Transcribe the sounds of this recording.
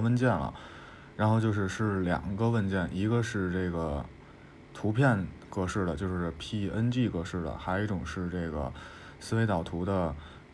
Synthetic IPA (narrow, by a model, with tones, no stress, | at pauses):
wə˥˧nt͡ɕjɛ˥˩nlə̰˩ | ɻa˧˥nxo˥˧ʊt͡ɕjo˥˧ʊʂɻ̩˥˧ʂɻ̩˥˩ljɑ̰˨˩ŋɡə˦wə˥˧nt͡ɕjɛ˥˩nʔi˧˥ɡə˧ʂɻ̩˥˧ʈ͡ʂe˥˩ɡə˩ | t̪ʰu˧˥pʰjɛ˥˩nkɤ˥˧ʂɻ̩˥˩lə˩t͡ɕjo˥˧ʊʂɻ̩˥˧pʰi˥ə˥nt͡ɕi˥˧kɤ˥˧ʂɻ̩˥˩lə̰˩xa˧˥ɪ˧i˧˥˩ʈ͡ʂʊ˨˩ŋʂɻ̩˥˧ʈ͡ʂe˥˩ɪɡə̰˩ | sɹ̩˥˧we˧˥ɪt̪ɑ˨˩ʊt̪ʰu˧˥d̪ə˧